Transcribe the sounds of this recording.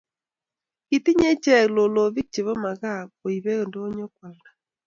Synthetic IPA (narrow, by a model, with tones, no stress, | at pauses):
ki˨ti˦ɲe˦t͡ʃɛ˦˨lo˨lo˨βi˦k̚t͡ʃe˨βɔ˦ma˨ɣa˦˨o˨i˨βe˦ɣndo˦ɲɔ˦kwa˨lna˨